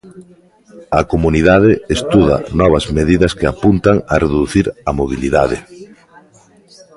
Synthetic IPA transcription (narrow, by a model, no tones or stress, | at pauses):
ɐkomuniðað̞ɪest̪uðɐ̰nɔβ̞ɐzmeðiðɐskeapunt̪aŋɐreðuθiɾɐmoβiliða̰ðɪ̰